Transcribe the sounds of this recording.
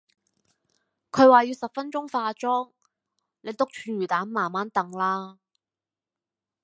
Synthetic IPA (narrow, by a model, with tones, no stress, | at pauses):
kʰɵ˨˧ɥwaː˨jiː˨˧wsɐ˨p̚fɐ˥nt͡ʃʊ˥ŋfaː˧t͡ʃɔː˥ŋ | le˨˧jt̪ʊ˥k̚t͡ʃʰyː˧nɥyː˨˩t̪aː˨˥nmaː˨˩nmaː˨˥nt̪ɐ˨ŋlaː˥